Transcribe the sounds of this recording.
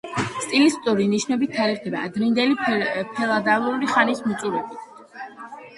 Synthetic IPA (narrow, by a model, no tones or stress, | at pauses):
st̪ʼilist̪ʼuɾiniʃnɔbit̪ʰaɾiʁd̪ʰɛba̰ːd̪ɾind̪ɛlipʰɛlˠad̪avlˠuɾiχanismut̪sʼuɾɛbit̪ʰ